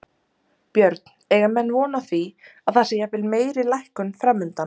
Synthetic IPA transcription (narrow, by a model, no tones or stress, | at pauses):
pjœɾt̪nɛːɣamɛnːvɔːnaθviaðθasejavɪlmeːjɾɪlajhkʏnfɾamːʏnt̪a